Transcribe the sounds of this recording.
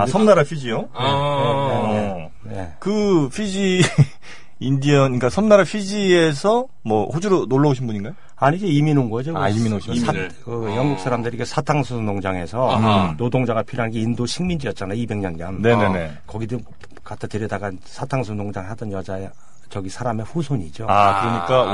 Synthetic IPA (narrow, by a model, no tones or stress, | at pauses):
asʰʌmnaɾapʰid͡ʑijo | nee | ne̞kɯpʰid͡ʑi | indiʌnk͈asʰʌmnaɾapʰid͡ʑie̞sʰʌ | mwʌɸod͡ʑuɾonoɭːʌoɕʰinbuɲiŋɡajo | aɲid͡ʑe̞iminonɡʌd͡ʑoiinoakɯjʌŋɡuk̚s͈aɾamdɯɾikesʰatʰaŋsʰɯnoŋd͡ʑaŋɦe̞sʰʌnodoŋd͡ʑaŋɡapʰiɾjoɦanɡe̞indoɕʰiŋmind͡ʑijʌt̚t͡ɕ͈anaibe̞ŋɲʌnɲʌmneene | kʌɡidɯ | katʰatɯɾjʌdaɡansʰatʰaŋsʰonoŋd͡ʑaŋɦadʌnjʌd͡ʑae | t͡ɕʌɡisʰaɾame̞ɸusʰoɲid͡ʑoɯɯɾʌɲik͈a